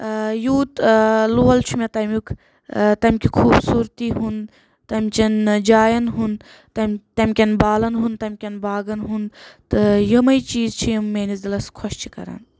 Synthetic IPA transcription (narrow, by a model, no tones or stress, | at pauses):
juːt̪luːɐlt͡ʃʰumʲet̪ɐmʲukʰ | t̪ɐmʲkʲʰikʰuːbsuːɾt̪iɦun | t̪ɐmʲt͡ʃɐnd͡ʒaːjɐnɦun | t̪ɐmʲt̪ɐmʲkʲɐnbaːlɐnɦunt̪ɐmʲkʲɐnbaːɡɐnɦunt̪ɨjɐmɐit͡ʃiːzt͡ʃʰijɐmːeːnisd̪ilɐskʰɔʃt͡ʃʰi̥kɐ̰ɾa̰ːn